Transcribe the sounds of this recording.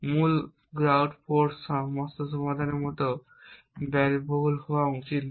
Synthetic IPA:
mul | ɡɾawɖpʰoɾsɔmɔst̪oʃɔmad̪ʱaneɾmɔt̪o | bɛɾboɦulhɔwaut͡ɕit̪

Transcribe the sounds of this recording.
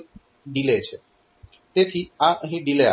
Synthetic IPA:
ɖileet͡ɕʰe | t̪et̪ʰiaɦiɖilea

